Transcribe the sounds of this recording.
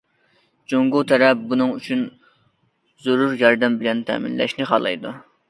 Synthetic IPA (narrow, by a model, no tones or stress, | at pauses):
d͡ʒoŋɡut̪ʰɛɾɛp̚bunɨŋyt͡ʃʰyn | zuɾuɾjɑɾd̪ɛmbɪlɛnt̪ʰɛ̰mḭnlɛ̰ʃnɪχɑlˠɨ̰jd̪u